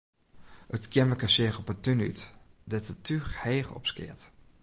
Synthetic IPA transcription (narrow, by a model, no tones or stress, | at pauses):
ətkjɛməkasɪəxɔpətyny̰tdɛtətʰyxheːxɔ̰pskɪ̰ət